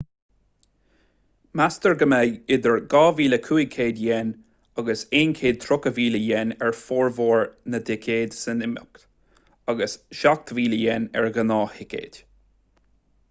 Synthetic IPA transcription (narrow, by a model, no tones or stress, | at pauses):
mast̪əɹɡəmejɪd̪əɹɡɑːviːləkʰuːɪkʰeːdjɛn | aɡəseːnkʰeːd̪̚t̪ʰɾʊkəviːləjɛnɛɹfoːɹvoːɹnəd̪ɪkʰeːd̪sənɪmʊ̰kt̪ | aɡəsʃak̚t̪viːləjɛnɛ̰ɹɡənɑːhɪkḛːd̥